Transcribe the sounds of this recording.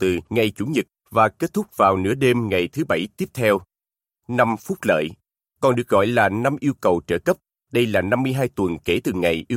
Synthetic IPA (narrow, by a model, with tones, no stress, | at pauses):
t̪ɨ˨˩ŋa˨˩jt͡ɕu˧˦ŋ͡mɲɨ˨˩t̚ | vaː˨˩ke˦˥t̚t̪ʰʊ˦˥k͡p̚vaː˨˩wnɨ̰˧˥əɗe˧mŋa˨˩jt̪ʰɨ˨˦ɓə˧˩jt̪i˦˥əp̚t̪ʰɛ˧w | na˧mfʊ˦˥k͡p̚t̚lə̰ː˧˨j | kɔ˨˩nɗɨ˨˩ək̚ɣɔ̰˧˨jlaː˨˩na˧mʔi˧əwkə˨˩wt͡ɕəː˧˩kə˦˥p̚ | ɗə˧jlaː˨˩na˧mːɨ˧əjɦaː˧jt̪wə˨˩nke˧˩t̪ɨ˨˩ŋa˨˩jʔi˧